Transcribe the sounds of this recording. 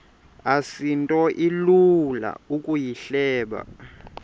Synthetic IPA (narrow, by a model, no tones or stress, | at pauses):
asintʼɔʔilula̰ukʼujiɬɛːɓa̰